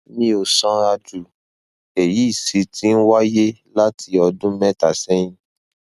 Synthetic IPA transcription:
nĩ˦o˨sɔ̃˧˦a˧d͡ʒu˨ | e˨ji˨˦i˦˨si˨˧˦tĩ˦n̩˦wa˦je˦la˦ti˧ɔ˧dũ˦mɛ̃˦ta˨sɛ̃˦j̃ĩ˦

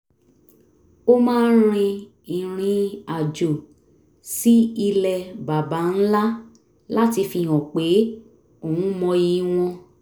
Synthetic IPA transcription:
o˦mãː˦n̩˦ɾ̃ĩ˧ | i˨ɾ̃ĩ˧a˨d͡ʒo˨ | si˨˦i˧lɛ˨ba˨ba˨˦n̩˦la˦ | la˦ti˧fĩ˧˨ɔ̃˨k͡pe˨˦ | o˦˨wũ˨˦mɔ̃˧ji˧w̃ɔ̃˧

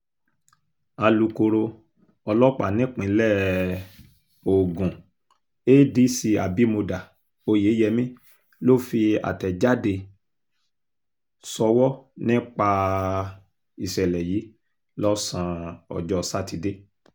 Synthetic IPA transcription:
a˧lu˧ko˧ɾo˧ | ɔ˧lɔ˦k͡pa̰˨nĩ˨˦k͡pĩ˨˦lɛ˦˨ | o˨ɡũ˨ | e˦di˨˦si˧a˨bi˨˦mo˧da˨ | o˧je˨˦jɛ˧mĩ˦ | lo˦˨fi˧a̰˨tɛ˨d͡ʒa˦de˧ | sɔ˧wɔ˦nĩ˦k͡pa˧ | i˨sɛ˨lɛ˨jiː˨˦ | lɔ˦sã˧ɔ̰˨d͡ʒɔ˧sa˦˨ti˧de˦

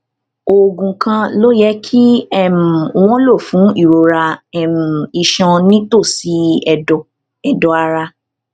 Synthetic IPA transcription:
o˨ɡũ˨kã˧lo˦jɛ˦kʰi˦ɛ˦˨m̩˨w̃ɔ̃˦lo˦˨fũ˨˦i˦˨ɾo˨ɾa˧ɛ˦˨m̩˨i˨ʃɔ̃˧nĩ˦to˦˨si˧ɛ˨dɔ˧ | ɛ˨dɔ˨˧a˧ɾa˧

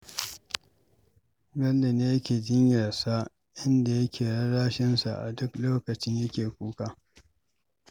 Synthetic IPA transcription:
bɐ˦lːe˨neː˦jɐ˦kʲeː˨d͡ʒɪ˦ɲjɐ˨rsa˦ | ʔɪ˦nda˨jɐ˦kʲeː˨ɽɐ˦ɽaː˦ʃɪ˦nsa˨ʔa̰˨dʊ˦kloː˦kɐ˨t͡ʃɪ˦ɲjɐ˦kʲeː˨kʷuː˦kaː˦

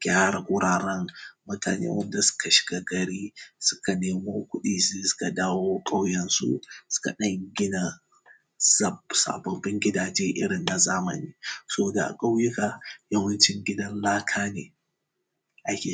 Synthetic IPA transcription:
ɡ̥ʲaː˦ɽa˨ɡʷʊ˦ɽaː˨ɾɐ˦ŋmʊ˦ta̰ː˨nḛː˦wɐ˦nda˨sʊ̥˦ka˨ʃɪ̥˨ɡ̥a˦ɡɐ˨ɽiː˦sʊ̥˦ka˨neː˨moː˦kʷʊ˦ɗiː˨zeː˦sʊ̥˦ka˨daː˦woː˦kʼa˦wjɛ˦nsṵ˦sʊ̥˦ka̰˨ɗɐ˦ŋɡʲɪ˦na˨ | za˦˨bsa̰ː˨bɔ˦mbɪ˦ŋɡʲɪ˦daː˨d͡ʒeː˦ʔɪ̰˦ɽɪ˨nːa˨zaː˦mɐ̰˨niː˦sɐ˦bo˨da˨ʔa̰˨kʼa˦wjʊ˦ka˨jɐ˦wɐ˦nt͡ʃɪ˦ŋɡʲɪ˦dɐ˦nlaː˦kʰaː˦nḛː˨ | ʔa˦kʲeː˨

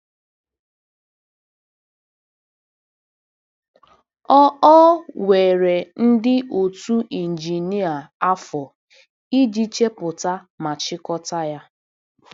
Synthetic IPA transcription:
ɔ˦ɔ˦we˨ɾe˨n̩˦dɪ˦ʔo˨tu˦ʔi˨n̩˨d͡ʒi˨ni˦a˨a˦fɔ˨ | i˦d͡ʒi˦t͡ʃe˦pʊ˨ta˦ | ma˨t͡ʃɪ˦kɔ˦ta˦ja˦

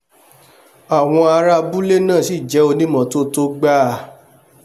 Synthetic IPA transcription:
a˨w̃ɔ̃˧a˧ɾa˧bu˦le˦nã˦˨si˦˨d͡ʒɛ˨˦o˧nĩ˦mɔ̃˨˦to˦to˦ɡ͡ba˦˨

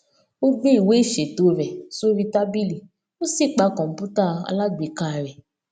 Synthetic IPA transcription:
o˦ɡ͡be˦i˦˨we˨˦i˦˨ʃe˨to˨˦ɾɛ˨so˦ɾi˧ta˦bi˦li˦˨ | o˦si˦˨k͡pa˨˧˦kɔ̃˨m̩˨pu˦ta˦˨a̰˧la˦ɡ͡be˨˦ka˦˨ɾɛ˨

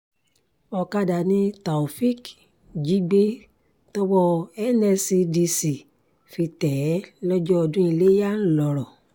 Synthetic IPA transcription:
ɔ˧ka˧da˨nĩ˧ta˨u˨fi˦k | d͡ʒi˨˦ɡ͡be˦ | tɔ˦wɔ˦˧ɛ˦nɛ˧si˧di˧si˨ | fi˧tɛ˨˦lɔ˦d͡ʒɔ˦ɔ˧dũ˦i˧le˦ja˦n̩˦lɔ˧ɾɔ˨

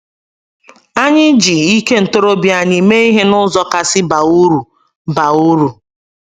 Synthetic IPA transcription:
a˦ɲɪ˦d͡ʒi˨i˦ke˦n̩˨to˦ɾo˦bja˨ɲɪ˨me˦i˦ɦe˦nʊ˦zɔ˦ka˨sɪ˦ba˨u˦ɾu˨ | ba˨u˦ɾu˨

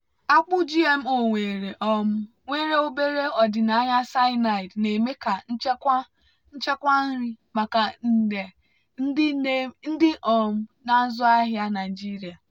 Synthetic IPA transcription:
a˦k͡pʊ˦d͡ʒi˦e˦m̩˦o˨ŋʷe˨ɾe˨ʔɔ˦m̩˦ | ŋʷe˦ɾe˦o˦be˦ɾe˦ɔ˨dɪ˨na˨a˦ɲa˦sa˦ɪ˦na˨ɪ˨dne˨me˦ka˨n̩˦t͡ʃe˦kʷa˦ | n̩˦t͡ʃe˦kʷa˦n̩˦ɾɪ˦ | ma˨ka˨n̩˦˨de˨ | n̩˦e˦n̩˦dɪ˦ʔɔ˨m̩˦na˦zʊ˦a˦ɦja˦na˨ɪ˨d͡ʒi˦ɾi˨a˨

